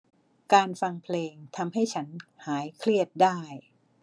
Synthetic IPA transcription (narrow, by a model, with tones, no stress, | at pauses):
kaː˧nfa˧ŋpʰleː˧ŋt̪ʰa˧mɦa˥˩jt͡ɕʰa˦˥nhaː˩˦jkʰli˥˩ət̪̚daː˥˩j